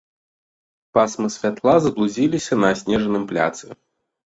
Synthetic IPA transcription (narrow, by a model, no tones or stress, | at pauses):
pasmɨsʲfʲat̪lˠazɐblˠuzʲilʲisʲɐnɐsʲnʲɛʐɐnɨmplʲa̰t̪sɨ